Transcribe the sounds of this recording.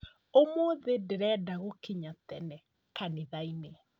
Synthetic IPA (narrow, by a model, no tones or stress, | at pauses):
omoːðedeɾɛdaɣokeɲatɛnɛ | kaneðaine